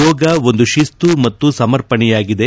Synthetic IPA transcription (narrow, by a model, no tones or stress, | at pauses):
ɔːɡɐo̞nd̪uʃist̪umɐt̪ːusɐmɐɾpɐɳɛjaːɡid̪e̞